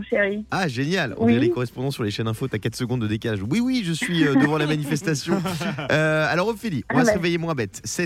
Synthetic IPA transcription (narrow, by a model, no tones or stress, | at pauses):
ʃeʁiaʒenjalɔ̰̃vɛlekɔʁɛspɔ̃d̪ɑ̃syʁleʃɛnɛ̃fot̪yakat̪χsəɡɔ̃d̪ːəd̪ekalaʒwiwiʒəsɥiød̪əvɑ̃lamanifɛst̪asjɔ̃øalɔʁɔfilĩvasəʁevɛjemwɛ̃bɛt̪sɛ